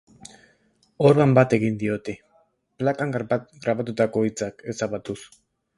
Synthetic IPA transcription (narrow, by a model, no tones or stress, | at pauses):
oɾβambat̪e̞ɣind̪io̞t̪e | plakaŋɡat̪ɡɾaβat̪ut̪ako̞it͡sake̞saβat̪us